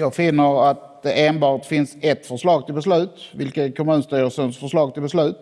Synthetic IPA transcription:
jɑːɡfɪnːəɾat̪̚d̪ɛʔeːnbɑːʈfɪnsɛt̪ːfœʂlɑːɡ̚t̪ʰɪlbɛslʉ̟ːt̪vɪlkəkʰɔmʉ̟ːnst̪yːəsənsfœʂɭɑːɡ̚t̪ʰɪlbɛslʉ̟ːt̪

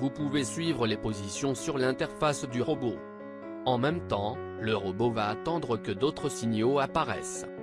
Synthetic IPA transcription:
vupuvesɥivʁəlepozisjɔ̃syʁlɛ̃t̪ɛʁfasd̪yʁɔbo | ɑ̃mɛmt̪ɑ̃ | ləʁɔbovaːt̪ɑ̃d̪ʁəkəd̪ot̪χəsiɲjoapaʁɛ̰s

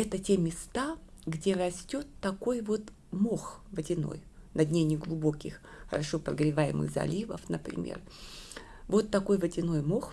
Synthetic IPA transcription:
ɛt̪ətʲe̞mʲɪst̪aɡdʲe̞ɾɐsʲtʲo̞t̪ːɐko̞jvo̞t̪ | mo̞xvədʲɪno̞̰jnɐd̪ʲnʲenʲɪɡlˠʊbo̞kʲɪx | xəɾɐʂo̞pɾəɡɾʲɪvajɪ̰mɨ̰xzɐ̰lʲivə̰fnəpɾʲɪ̰mʲḛr | vo̞t̪ːɐko̞jvədʲɪno̞jmo̞x

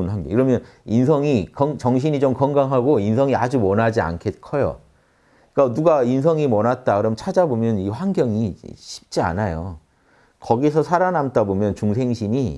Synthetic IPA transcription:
nɸaŋɡʌ̰ŋkɯɾʌmjʌninsʰʌŋikʌŋt͡ɕʌŋɕ̬ʰiɲid͡ʑomkʌŋɡaŋɦaɡoinsʰʌŋiad͡ʑumwʌnɦad͡ʑia̰nkʰet̚kʰʌjo̰ | k͈anuɡains̬ʰʌŋimwʌnɦat̚t͈akɯɾʌmʌnt͡ɕʰad͡ʑabomjʌniɸwaŋɡjʌŋiɕʰi̥p̚t͡ɕ͈ia̰najo̰ | kʌɡis̬ʰʌsʰaɾanamtabomjʌnt͡ɕuŋs̬ʰe̞ŋɕʰiɲi

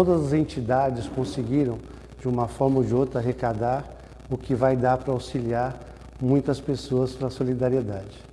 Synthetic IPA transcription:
t̪od̪ɐzɐzẽnt͡ʃid̪ad͡ʒɪskõsɪɡiɾɐ̃w̃ | d͡ʒɪũmɐfɔɾmɐd͡ʒɪot̪ɾɐaɦekad̪aɾ | ʊkɪvajd̪aɾpɾɐawsiliaɾ | mũj̃t̪ɐspesoɐspɾɐsolid̪aɾied̪ad͡ʒɪ

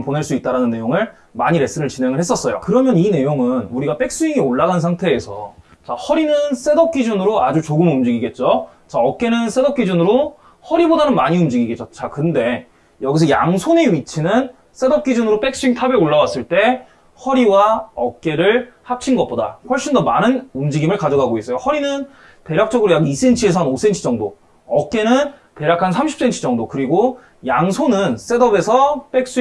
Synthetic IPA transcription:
poneɭs͈uit͈̚aɾanɯnːe̞joŋɯɭ | ma̰ɲiɾe̞s͈ɯɾɯɭt͡ɕine̞ŋɯɭhe̞s͈ʌs͈ʌjo̰kɯɾʌmjʌnine̞joŋɯnuɾiɡape̞k̚s͈uiŋioɭːaɡansʰaŋtʰe̞ːsʰʌ̰ | t͡ɕahʌɾinɯns͈ʰe̞dʌp̚k͈id͡ʑunɯɾoad͡ʑut͡ɕoɡɯmumd͡ʑiɡiɡe̞t̚t͡ɕ͈o | t͡ɕaʌk̚k͈e̞nɯns͈ʰe̞dʌp̚k͈id͡ʑunɯɾo | hʌɾibodanɯnmaɲiumd͡ʑiɡiɡet͡ɕ͈ot͡ɕ͈ʰakɯnde̞ | jʌɡis̬ʰʌja̰ŋsʰoneɥit͡ɕʰinɯn | s͈e̞dʌp̚k͈id͡ʑunɯɾop͈e̞k̚s͈uiŋtʰabe̞oɭːawas͈ɯɭt͈e̞ | hʌɾiwaʌk̚k͈e̞ɾɯɭhap̚t͡ɕʰinɡʌt̚p͈oda̰ɸwʌɭɕ͈indʌmanɯnumd͡ʑiɡimɯɭkad͡ʑʌɡaɡois͈ʌjohʌɾinɯn | pe̞ɾjak̚t͡ɕ͈ʌɡɯɾojakis͈e̞nt͡ɕʰie̞s̬ʰʌanos͈ʰe̞nt͡ɕʰid͡ʑʌŋdo | ʌk̚k͈e̞nɯn | pe̞ɾjakʰansʰamɕʰi̥p̚s͈e̞nt͡ɕʰid͡ʑʌŋdokɯɾiɡo | jaŋsʰonɯns͈e̞dʌbe̞sʰʌp͈e̞k̚s͈u

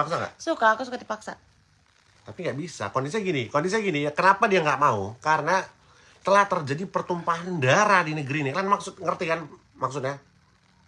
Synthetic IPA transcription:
paksaŋa̰ʔsukaːkusukadipaksa | t̪apiŋɡaʔbisa̰kɔndisiɡinikondis̬iaɡinijakənapadiaŋɡaʔmaukaɾəna | t̪əlaht̪ərd͡ʒadipərt̪umpaɦndaɾadinəɡəɾinilanmaksʊt̪̚ŋərt̪ikan | maksʊt̪̚ɲa

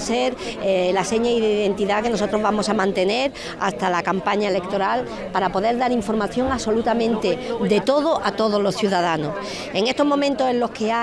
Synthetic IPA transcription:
se̞ɾlase̞ɲaiðeiðe̞nt̪iðake̞no̞so̞t̪ɾo̞zβamo̞samãnt̪e̞ne̞ɾ | a̰st̪alakampaɲae̞lekt̪o̞ɾal | paɾapo̞ðe̞ɾðaɾiɱfo̞ɾmaθjo̞ŋaso̞lut̪amẽ̞nt̪e̞d̪e̞t̪o̞ðoʔat̪o̞ðo̞zlo̞sθjuðaðano̞s | e̞ŋe̞st̪o̞ɦmomẽnt̪o̞sẽ̞nlo̞hke̞a

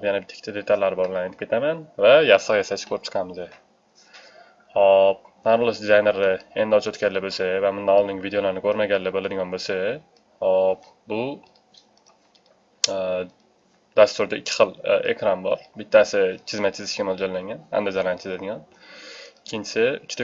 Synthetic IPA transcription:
pjanabɪt̪ʰːɪ̥kʰʲt̪ʰad̪e̞t̪ʰalːaɾɪbɒllaneɪpkʰʲet̪ʰamanvajasəʁjasat͡ʃʰkʰɵɾɪpt͡ʃʰqʰɑmɪzd̪ɪ | hɒp̚naɾʊlˠɪʃd̪ɪzajne̞ɾɪend̪ɪɒt͡ʃʰot̪kʲalːɪbolsavamʊnd̪anɒlˠnɪŋʲvid̪eolaɾɪnɪkʰɵɾmaɡʲalɪbolˠad̪ɪɡʲɒnbolsa | hɒp | bʊ | d̪ast̪ʊɾd̪aɪkʲʰːɪ̥χɨlˠḛkʰɾambɒ̰ɾbɪt̪ʰːasɪt͡ʃʰɪzmat͡ʃʰɪzɪʃkʲamolˠd͡ʒɒlːaŋɡʲana̰nd̪ɪzalanɪt͡ʃʰɪzad̪ɪɡʲɒn | ɪkʲʰːɪnt͡ʃʰɪ̥sɪʊt͡ʃt̪a

